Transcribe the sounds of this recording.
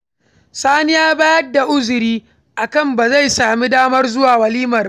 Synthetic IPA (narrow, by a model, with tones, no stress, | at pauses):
saː˦nɪ˦jaː˦baː˦jɐ˦dːa˨ʔʊ˦zʊ˨ɾiː˦ | ʔa˨kɐ˦˨mba˨za˦˨jsaː˨mi˦daː˦mɐ˦rzʊ˦waː˨wɐ˨liː˦mɐ˨r